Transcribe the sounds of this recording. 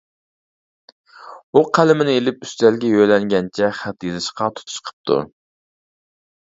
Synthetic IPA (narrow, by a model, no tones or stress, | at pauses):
uqʰælɪmɪnɪelɪpyst̪ælɡʲɛjøjlɛŋɡʲɛnt͡ʃʰɛχæt̪jezɨʃqɑt̪ʰu̥t̪ʰu̥ʃqʰə̥p̚t̪ʰṵ